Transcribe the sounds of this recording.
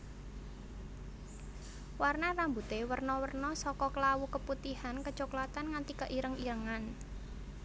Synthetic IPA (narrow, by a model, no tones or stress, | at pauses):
warnarambut̪ewərnɔwərnɔsɔkɔklawukəput̪ihankə̥t͡ʃoklat̪anŋant̪ikəʔiɾəŋiɾəŋan